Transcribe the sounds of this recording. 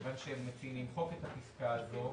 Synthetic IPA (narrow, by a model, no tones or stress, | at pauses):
vanʃehemːet͡sinimχofe̞t̪hatiskaːzo̞